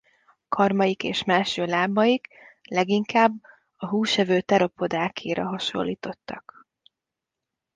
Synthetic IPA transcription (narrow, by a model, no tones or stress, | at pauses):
ɒkʰɒrmɒjikeːʃmaːʃøːlaːbɒjiklɛɡiŋkaːbː | ɒɦuːʃɛvøːt̪ɛɾo̞po̞d̪aːkʰiːɾɒɦɒʃo̞̰lːiːt̪o̞t̪ːɒk